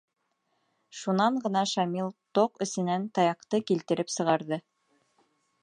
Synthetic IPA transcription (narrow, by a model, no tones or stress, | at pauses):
ʃunɑɴɢɤ̆nɑʃɑmilˠt̪oqɵ̆sɘ̆nænt̪ɑjɑqt̪ɤkilt̪ɘ̆ɾɘpsɤ̆ʁɑɾðɤ